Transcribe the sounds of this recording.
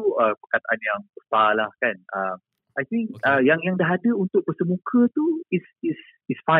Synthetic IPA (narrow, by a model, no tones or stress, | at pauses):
uəpərkat̪aʔanjaŋbəsalahkanəm | ʔajt̪ĩŋk̚əjaŋjaŋdaɦadəunt̪ʊk̚bərsəmũkʰət̪uisis | isfã